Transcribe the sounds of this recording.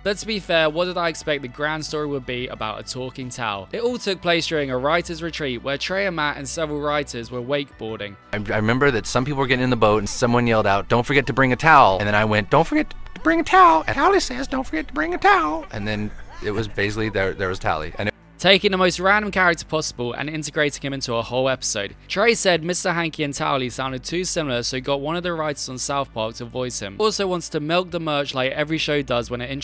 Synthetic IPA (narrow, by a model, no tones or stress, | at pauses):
ð̥ətstʰəbifɛːwɒʔ̚d̥ɪɾaɪɛkspɛk̪̚ðəɡɹãnd̥stɔːɹiwəd̚biə̰baʊtə̰tʰɔˑkɪ̃ŋtʰa̰ʊlˠɪtɔːlˠtʰʊk̚pʰl̥eɪsd̥ɔːɹɪ̃ŋəɹaɪtəzɹɪtʰɹ̥iˑʔwətʰɹ̥eɪəmaʔə̰̃nsɛvəɹəlˠɹaɪtʰəzwəweɪk̚b̥ɔːɾɪ̰̃ŋ | aɪaɪɹɪmɛ̃mbə˞ðɨtsʌ̃mpipl̩ˠwə˞ɡɛɾɪ̃ŋɪ̃nðəboʊtnsʌ̃mwʌ̃njɛlˠdaʊt̚d̥õʊ̃ntfə˞ɡɛtʰəbɹɪ̃ŋɨtʰaʊlˠɨ̃nðɨ̃ñaɪwɛ̃nd̥õʊ̃ntfə˞ɡɛtʰəbɹɪ̃ŋətʰaʊlˠəaʊlˠisɛzdõʊ̃nfə˞ɡɛtʰəbɹɪ̃ŋətʰaʊlˠʔɨ̃nðɨ̃nɪt̚wʌzbeɪsɪkliðə˞ðə˞wʌz̥tʰa̰ʊlˠḭʔɨ̰̃n | tʰeɪkɪ̃ŋðəməʊst̚ɹæ̃ndə̃mkʰaɹɪk̚təpʰɒsəbəlˠə̰̃nɪ̃ntɪɡɹeɪtɪ̃ŋɪ̃mɪ̃ntuəhoʊlɛpɪ̥soʊd̥̚tʰɹ̥eɪsɛd̚mɪstə˞ɦãŋkiə̃ntʰa̰ʊlˠisãʊ̃ndɪd̚tʰʉːsɪ̃ml̩ˠəsəʊɡɒʔwʌ̃nʌvðəɹaɪtəz̥n̩saʊθpʰɑˑk̚tʰəvɔɪshɪ̃mɔˑlˠsəʊwɒ̃ntstʰəmɪlˠk̚ðəmɜˑt͡ʃlaɪkɛvɹiʃəʊdʌzwə̃ñɪtɪ̃n